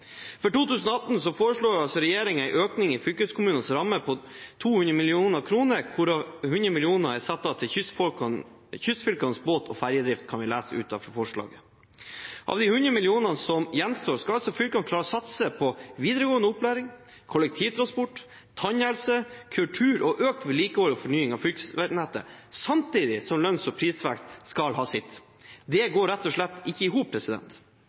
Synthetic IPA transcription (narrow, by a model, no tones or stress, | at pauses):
fɔʈuːt̪ʉːsən̩ɔɑt̪n̩sɔfoːɾəʂɭuːɑlsɔɾɛjeːɾɪŋæɪʔøːknɪŋɪfʏlkəøskʰʊmʉːnənsɾɑmːəpʰɔ | t̪ʰuːhʉnɾəmɪlɪuːnəkʰɾuːnəɾkʰʊɾɑhʉnd̪ɾəmɪlɪuːnəæsɑt̪ːɑt̪ʰɪʏ | çʏst̪ːfʏlkɑnsboːt̪ʰɔ̰fæɾjəd̪ɾɪft̪kʰɑnʋɪlæːsʉ̰ːt̪ɑ̰fɾɔfɔʂɭɑ̰ːɡə | ʔɑ̰ʋd̪ɪhʉnɾəmɪlɪuːnɑnsɔmjɛnst̪oːɾskɑlɑlsɔfʏlkɑnkʰlɑːɾɔsɑt̪səpʰɔʋiːd̪əɾəɡoːənəʊplæːɾɪŋ | kʰɔlək̚t̪ʰiːʋt̪ʰɾɑnspɔʈː | t̪ʰɑɲɛlsəkʰʉlʈʰʉːɾɔʔøːk̚t̪ʋɛliːkəhoːləɔfɔɳyːɪŋɑʋfʏlkʋænɛt̪ə̰sɑmt̪iːd̪ɪsɔmlœnsɔpʰɾiːsʋækt̪skɑlɦɑːsɪt̪ː | d̪ɛɡoːɾɛt̪ːɔʂɭɛt̪ːɪçːəɪɦuːp̚pʰɾɛsɪd̪ɛ̰nt̪